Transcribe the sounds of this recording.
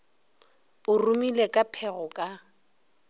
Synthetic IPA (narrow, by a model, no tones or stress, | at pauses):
ʊrumilekʼapʰɛɣʊkʼa